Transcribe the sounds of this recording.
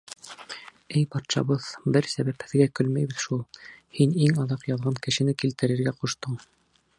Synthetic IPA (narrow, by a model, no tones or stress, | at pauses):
ɘjpɑt̪ʃɑ̰βɤðbɘɾsæβæphɘ̆ðɡækɵlmæjβɘ̆ðʃulˠhiniŋɑðɑqjɑðʁɑŋkɘ̆ʃɘ̆nɘkilt̪ɘ̆ɾɘ̆ɾɡæquʃt̪ɤɴ